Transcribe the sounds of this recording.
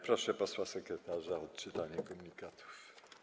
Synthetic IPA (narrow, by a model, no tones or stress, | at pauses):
pɾɔʂɛpɔswasɛkɾɛt̪aʐaɔt̪̚t͡ʂɘt̪aɲɛkɔmuɲikat̪ʰu̥f